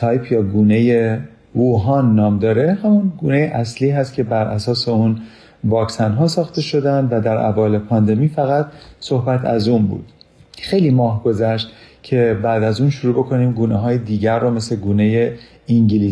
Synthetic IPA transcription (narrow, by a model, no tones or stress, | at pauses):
sɒjpʰjɒːɡuːne̞je | vuːɦɒːnːɒːmd̪ɒːɾe̞hæmunɡuːne̞jeʔæsliːɦæst̪̚cʰe̞bæɾʔæsɒːse̞un | vɒːcsænɦɒːsɒːxt̪e̞ʃo̞d̪ænd̪væd̪æɾʔæ̰vɒːle̞pʰɒːnd̪e̞miːfæɣæt̪so̞hbæt̪ʰæ̰zuːnbṵːd̪̥xe̞jliːmɒːɦɡo̞zæʃt̪cʰe̞bæd̪æzuːnʃuɾuːbo̞kʰo̞niːmɡuːneɦɒːjed̪iːɟæɾːome̞sleɡuːne̞je | iŋɟiliː